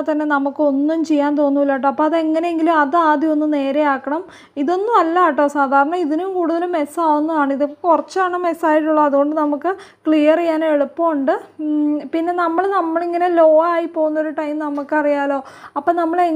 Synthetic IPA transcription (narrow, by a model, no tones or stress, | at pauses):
t̪ɐnːe̞nɐmukːɨo̞nːumt͡ɕe̞jːaːnt̪o̞ːnːuʋilːaːʈ̬ːɐɐpːoːɐðe̞ŋːɐne̞jeŋɡilumɐðɨaːd̪ʱjɐo̞nːumne̞ːɾe̞jaːkːɐɳɐm | iðo̞nːumɐlːaʈ̬ːoːsaːd̪ʱaːɾɐɳɐiðinumkuːɽuðɐlumːe̞saːʋunːuʋaːɳɨiðɐkurɐt͡ɕːaːɳɨme̞saːjiʈ̬ːuɭːɐɐðuɣo̞ɳɖɨnɐmukːɨ | kɭijɐrijːaːneɭupːɐːuɳɖɨ | pinːe̞nɐmːɐɭnɐmːɐɭiŋːɐne̞lo̞ːaːjipːoːɣunːɐʋoɾuʈːɐjmnɐmukːɨɐrijaːlo̞ː | ɐpːoːnɐmːɐɭe